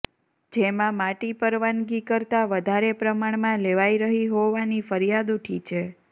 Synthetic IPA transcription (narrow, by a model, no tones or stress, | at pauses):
d͡ʒemãmaʈipəɾʋanɡikəɾt̪aʋəd̪ʱaɾepɾəmaɳmãleʋaiɾəɦiɦoʋanifəɾijad̪uʈʰit͡ʃʰe